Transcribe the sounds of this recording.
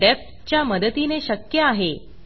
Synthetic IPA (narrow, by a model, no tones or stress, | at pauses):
ɖefʈ | t͡ɕjaməd̪ət̪ineɕəkjəaɦe